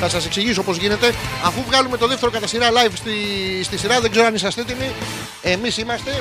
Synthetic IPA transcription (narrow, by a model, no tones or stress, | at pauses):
θɐsɐse̞ksiʝisoo̞po̞zʝinet̪e̞ɐfuvɣɐlume̞t̪o̞ðe̞ft̪e̞ɾokɐt̪ɐsiɾɐlɐjvst̪ist̪isiɾɐðe̞ɡze̞ɾoɐnisɐst̪et̪imi | e̞misimɐst̪e̞